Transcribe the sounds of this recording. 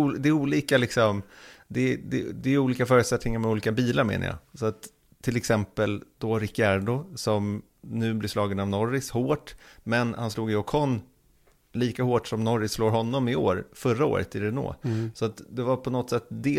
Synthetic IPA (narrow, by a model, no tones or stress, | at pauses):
d̪ɛɛuːliːkalɪksɔmd̪ɛd̪ɛd̪ɛjʏuːliːkafœːɾʉ̟t̪sɛt̪nɪŋaɾmɛuːliːkabiːlaɾmḛːna̰jɑ̰ːsɔat̪ʰː | ɪlɛksɛmpəld̪̥ɔɾɪkːaɖʊsɔm | nʉ̟ːblɪʂlɑːɡənavnɔɾɪshoːʈmɛnhansluːɡɪɔkʰɔn | liːkahoːʈʂɔmnɔɾːɪsloːɾɦɔnːɔmɪo̰ːɾfœɾːao̰ːɾə̰t̪ɪɾɛno̰ːsɔat̪d̪ɛvaɾpʰɔnɔt̪ːsɛt̪ːd̪ɛ